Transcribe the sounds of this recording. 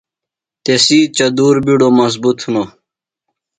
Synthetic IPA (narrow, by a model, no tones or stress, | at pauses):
t̪esiːt͡ɕɐd̪uːɾbiɽomɐzbut̪huno